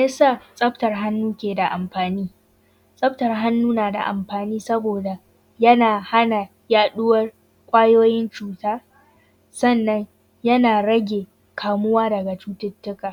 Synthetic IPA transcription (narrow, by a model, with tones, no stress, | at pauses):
jɐ˦saː˦˨sʼɐ˦ɸtɐ˨rɦa˦nːuː˦kʲeː˨da˨ʔa˨mɸaː˨niː˦ | sʼɐ˦ɸtɐ˨rɦa˦nːuː˦naː˨da̰˨ʔa̰˨mɸaː˨niː˦sɐ˦boː˨da˨ | jɐ˦naː˨ha˦na˨ | jaː˦ɗʊ˦wɐ˦r | kʷʼaː˦joː˦jɪ˦nt͡ʃuː˨taː˦ | sɐ˦˨nːɐ˦ɲ | jɐ˦naː˨ɽɐ˦ɡʲeː˨ | kʰaː˨mʊ˦waː˦dɐ˨ɡa˨t͡ʃuː˦tɪ˦tːʊ˦kaː˨